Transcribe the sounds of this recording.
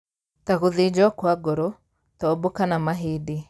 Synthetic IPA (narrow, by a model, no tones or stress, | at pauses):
t̪akʊðɪd͡ʒɔkwaɡɔɾɔ | t̪ɔːbokanamaɦɪdɪ